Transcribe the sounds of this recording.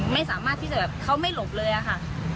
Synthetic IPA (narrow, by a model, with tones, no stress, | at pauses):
ma˥˩jsaː˨˩˦maː˥˩t̪ʰːiː˥˩t͡ɕa˨˩bɛː˨˩p̚kʰa˦˥wma˥˩jlo˨˩p̚lɤː˧jʔa˨˩kʰa˥˩